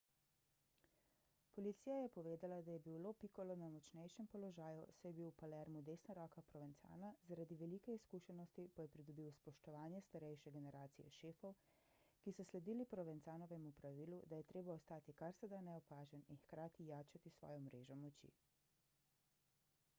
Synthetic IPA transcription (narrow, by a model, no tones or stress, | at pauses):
pɔlit̪siːjajɛpɔʋeːd̪alad̪ajɛbiwloːpikɔlɔnamɔt͡ʃnɛjʃɛmpɔlɔʒaːjusɛjɛbiwpalɛɾmud̪eːsnaɾɔːkapɾɔʋɛnt̪sa̰ːnazaɾad̪iʋɛlikɛiskuʃɛnɔst̪ipajɛpɾid̪ɔbiwspɔʃt̪ɔʋaːnjɛst̪aɾɛjʃɛɡɛnɛɾaːt̪sijɛ̰ʃeːfɔw | kisɔslɛd̪iːlipɾɔʋɛnt̪saːnɔʋɛmupɾaʋiːlud̪ajɛt̪ɾeːbaɔst̪aːt̪ikaɾsɛd̪anɛɔpaːʒɛninxkɾaːt̪ijaːt͡ʃat̪isʋɔ̰ːjɔmɾeːʒɔmɔt͡ʃḭ